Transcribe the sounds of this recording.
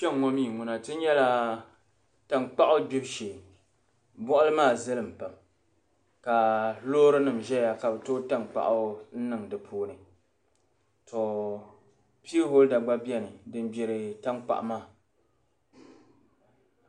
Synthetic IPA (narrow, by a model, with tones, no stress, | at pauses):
t͡ʃɛ˦ŋŋɔ˦miː˦˨ŋʊ˨na˨tɨ˦ɲɛ˦la˦ | ta˨ŋk͡pa˦ʔʊ˦bɪ˦hʃe˨ | bɔ˦ʔʊ˦lɨ˦maː˦˨zɨ˦lɨ˨m̩˨pa˨m | ka˨loː˦ɾɨ˦nɨ˨mʒɛ˦ja˨ka˨bto˦ta˦ŋk͡pa̰˨ʔa˦n̩˦nɨ˨ŋdɨ˨pʰoː˦nɨ˨ | tʰɔ˨ | pi˦ho˦lda˨ɡ͡ba˦bi˦ɛ˦nɨ˨dɨ˦nbɛ˨ɾɨ˨ta˦ŋk͡pa̰˨ʔmaː˦˨